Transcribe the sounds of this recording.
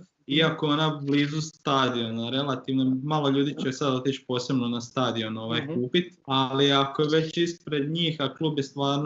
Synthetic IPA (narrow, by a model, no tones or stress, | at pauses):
iakoo̞nabliːzust̪ad̪io̞naɾe̞lˠat̪iʋnomaːlo̞ʎuːd̪it͡ʃesad̪o̞t̪it͡ʃpo̞ːse̞bno̞nast̪aːd̪io̞no̞ʋajkuːpit̪aliakojeʋe̞t͡ɕispɾe̞d̪ɲiːxakluːbjest̪ʋaːɾn